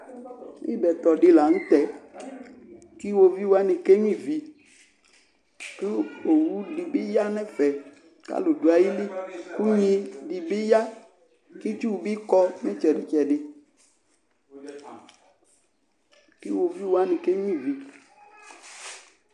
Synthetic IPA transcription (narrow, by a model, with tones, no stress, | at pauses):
i˦bɛ˨t̪ɔ˨ɖi˦la˨ŋũ˦t̪ɛ˨ | ki˦wo˧vi˦wa˦nĩ˨ke˦ɲũ˦ĩ˦˨vi˨ | ki˦o˨wu˦ɖi˨bi˦ja˦nɛ̃˦fɛ˨ | ka̰˦lo˨do˨a˨ji˦li˦ku˦ɲĩ˦ɖi˨be˦ja˦ | ki˦t͡ʃi˦wu˨bi˦kɔ˦mẽ˦t͡ʃɛ˨ɖi˨t͡ʃɛ˨ɖɪ˨ | ki˦wo˨vi˦wo˨˦a˦nĩ˨ke˦ɲũ˦ĩ˦˨vi˨